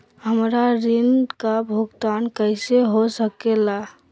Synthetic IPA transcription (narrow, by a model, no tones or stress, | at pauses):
ɦəmɾaɾinkabʱuɡt̪ankəɪseɦosəkela